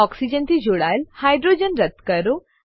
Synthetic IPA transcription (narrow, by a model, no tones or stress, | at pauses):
ɔksid͡ʑənt̪ʰid͡ʑoɽajlhajɖɾod͡ʑənɾət̪kəɾo